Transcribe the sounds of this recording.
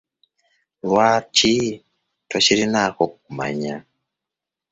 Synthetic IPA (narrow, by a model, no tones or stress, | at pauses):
wat͡ʃi | toʃiɾinakɔkuma̰ɲa